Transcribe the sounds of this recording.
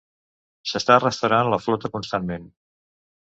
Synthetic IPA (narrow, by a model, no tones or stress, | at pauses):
səst̪arəst̪əwɾanləflɔt̪əkunst̪anmen